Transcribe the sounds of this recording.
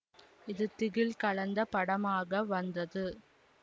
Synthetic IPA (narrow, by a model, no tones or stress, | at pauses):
ɪðɯt̪ɪɣɪlkɐɭɐnd̪ɐpɐɽɐmaːɣɐʋɐnd̪ɐðɯ